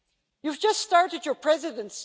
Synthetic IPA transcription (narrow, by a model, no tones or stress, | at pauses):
juvd͡ʒʌststɑɹɾɨdjə˞pʰɹ̥ɛzɨɾɨ̃ns